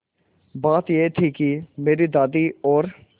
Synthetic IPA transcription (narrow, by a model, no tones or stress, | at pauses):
baːt̪jet̪ʰikimeːɾid̪aːd̪iɔːɾ